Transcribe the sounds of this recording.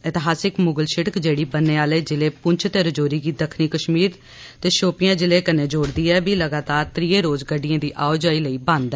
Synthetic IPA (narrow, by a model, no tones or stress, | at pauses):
ɪt̪ɪɦaːsɪkmʊɡəlʃɪʈəkd͡ʒeːɽiːbənːeːaːleːd͡ʒɪleːpʊɲt͡ʃʰt̪eːɾəd͡ʒoːɾiːɡiːd̪əkʰniːkəʃmiːɾ | t̪eːʃoːpɪjãːd͡ʒɪleːkəneːd͡ʒoːɽd̪iːɛːbiːləɡaːt̪aːɾt̪ɾiːeːɾoːzɡəɖɪjãːd̪iːʔaːod͡ʒaːiːləiːbãːnd̪ɛː